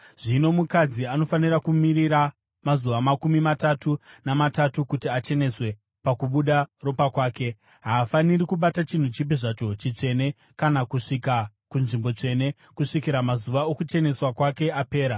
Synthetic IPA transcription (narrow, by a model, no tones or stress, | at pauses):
ʐ̥ino̞mukad͡ziano̞fanirakumiɾiɾa | mazuʋamakumimatatunamatatukutiat͡ʃe̞ne̞swe̞ | pakuɓuɗaro̞pakwaːke̞ | ɦaːfanirikuɓatat͡ʃin̤ut͡ʃip̬iʐat͡ʃo̞t͡ʃit͡ʂe̞ne̞ | kanakuʂika | kunʐimbo̞t͡ʂe̞ne̞ | kuʂikiɾamazuʋaokut͡ʃe̞ne̞swakwake̞ape̞ːɾa